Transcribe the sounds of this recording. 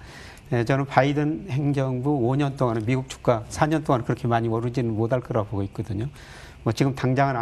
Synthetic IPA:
net͡ɕʌnɯnpaidɯnhe̞ŋd͡ʑʌŋbuoɲʌnt͈oŋanɯnmiɡuk̚t͡ɕʰu̥k̚k͈asʰaɲʌnt͈oŋankɯɾʌkʰe̞maɲiwʌɾɯd͡ʑinɯnmodaɭk͈ɯɾaboɡoit̚k͈ʌdɯɲo | mwʌt͡ɕiɡɯmtaŋd͡ʑaŋana

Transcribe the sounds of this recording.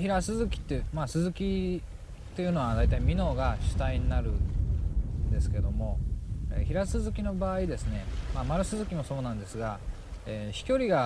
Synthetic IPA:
çiɾasɨzɨkʲi̥t̪ːemasɨzɨkʲi | t̪e̞jɯ̟no̞βad̪ait̪aimʲino̞ːɡaɕɨ̥t̪aiɲinaɾɯ̟ | nd̪e̞sɨ̥ke̞d̪o̞mo̞ḛçiɾasɨzɨkʲino̞baːid̪e̞sɨne̞mamaɾɯ̟sɨzɨkʲimo̞so̞ːnãnd̪e̞sɨɡa | eːɕi̥kʲo̞ɾʲiɡa

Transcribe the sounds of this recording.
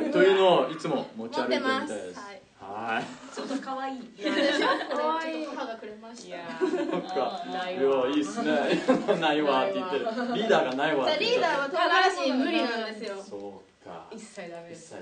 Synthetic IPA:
t̪ojɯ̟noit͡sɨmomo̞t͡ɕiaɾɯetmeasesi | hat͡ɕot̪ːokaβaiːekohaɡakɯ̟ɾemaɕaokːajoiːsɨnemanaiβat̪ːe̞jit̪ːeɾɾʲiːd̪aːɡanaiβaɾʲiːd̪aːβat̪at̪aɾaɕiːmɯ̟ɾʲinãnd̪e̞sɨjosoː | ka̰iaisːa

